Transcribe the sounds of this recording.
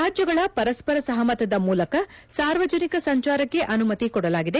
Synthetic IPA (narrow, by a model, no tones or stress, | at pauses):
aːd͡ʒjɐɡɐɭɐpɐɾɐspɐɾɐsɐɦɐmɐt̪ɐd̪ɐmuːlɐkɐsaːɾʋɐd͡ʒɐnikɐsɐɲt͡ʃaːɾɐkːe̞ʔɐnumɐt̪ikɔɽɐlaːɡid̪e̞